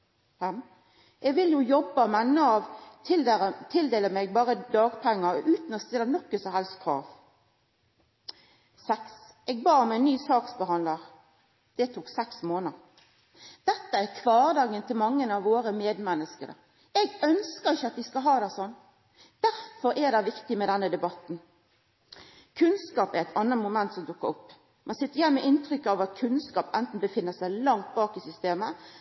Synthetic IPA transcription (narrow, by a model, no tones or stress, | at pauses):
hæm | ʔɛɡʋɪljʊjɔbːəmɛnːəɑʋʰɪlt̪ʰɪld̪eːləmɛɡ̚bɑːɾəd̪ɑːɡpʰæŋːəɾʉːt̪n̩ɔst̪ɪlənɔkːəsɔhɛlst̪kʰɾɑ̰ːʋ | sɛks | ɛɡbɑːɾmɛnːyːsɑːksbəhɑnd̪ləʁ | d̪̥ɛt̪ʰuːksɛksmoːnəɾ | d̪̥ɛt̪ːəækʰʋɑːʁd̪ɑːɡənt̪ʰɪlmɑŋːənɑʋːoːɾəmeːd̪mɛnːəskəɾə̰ | ɛɡœnskəɾɪçːəɑt̪ʋɪskɑlɦɑːd̪æɪsɔnː | d̪̥æɾfɔɾʔɛd̪ɑɪʋɪkt̪ɪmɛd̪ɛnːəd̪ɛbɑt̪n̩ | kʰʉnskɑːpæɾɛt̪ɑnːəmʊmɛnt̪sɔmd̪ʊkːəɾʊpː | mʔɛnsɪt̪ːəɾjɛnmɛʔɪnt̪ɾʏkːəɑʋɑt̪kʰʉnskɑːpɛnt̪n̩bəfɪnːəsæɪlɑŋt̪̚bɑːkɪsʏst̪eːmə